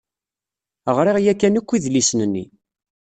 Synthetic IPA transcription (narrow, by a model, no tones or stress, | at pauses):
əʁɾiʁjækːænikʷːiðlisnənːi